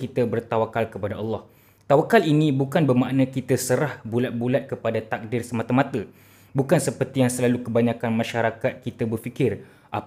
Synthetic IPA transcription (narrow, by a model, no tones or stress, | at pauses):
kit̪əbərt̪awakalkəpadaʔɑlːɑh | t̪awakalinĩbukanbəmaʔnə̃kit̪əsəɾahbulat̪̚bulat̪̚kəpadat̪ak̚dɪrsəmat̪amãt̪ə | bukansəpərt̪ijaŋsəlalukəbaɲãkanmãʃaɾakat̪̚kit̪əbərfikɪr | ʔa